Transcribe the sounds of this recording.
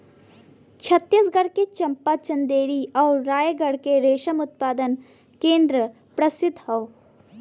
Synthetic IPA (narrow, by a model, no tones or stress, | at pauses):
t͡ʃʰɐt̪ːjəsɡɐɾket͡ʃɐ̃mpat͡ʃɐ̃nd̪eːɾiɔːɾːaːjəɡəɽkeɾeːʃəmʊt̪̚paːd̪ən | kẽːnd̪ɾə | pɾɐsɪd̪ʱhɔw